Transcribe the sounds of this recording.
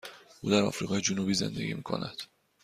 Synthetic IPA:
ʔuːd̪æɾɒ̰fɾiɣɒːjed͡ʒonubiːze̞̰nd̪eɡʲḭmiːkʰo̰næd̪̥

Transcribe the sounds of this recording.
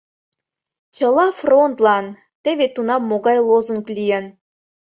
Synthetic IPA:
t͡ɕə̆lˠɑfront̪lˠɑn | t̪eβet̪unɑmoɣɑjlˠozuŋklʲijen

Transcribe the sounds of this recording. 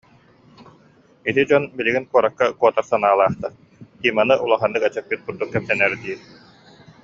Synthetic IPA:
it̪id͡ʑɔnbiliɡinkuɔɾakːakuɔt̪aɾsanaːlˠaːχt̪aɾ | kiːmanɯʔulˠaχand̪ɯkɛt͡ɕɛk̚byt̪̚kuɾd̪ukːɛp̚t̪ɛnɛɾd̪iː

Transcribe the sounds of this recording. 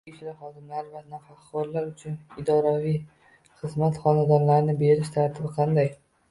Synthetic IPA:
ɪt͡ʃlɪχɒd̪ɪmlaɾvanafaχkɒɾlaɾʊt͡ʃʰʊnɪd̪ɒɾavij | χɨzmat̪χɒnad̪ɒɾlaɾnɪbe̞ɾɪʃt̪ʰaɾt̪ʰɪbɪqʰɑnd̪aj

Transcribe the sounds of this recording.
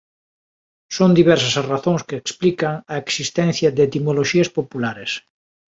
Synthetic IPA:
sond̪iβ̞ɛɾsɐsɐraθõŋskeːksplikɐŋɐeksist̪ɛ̃n̟θjɐd̪et̪imoloʃiɐspopulaɾes

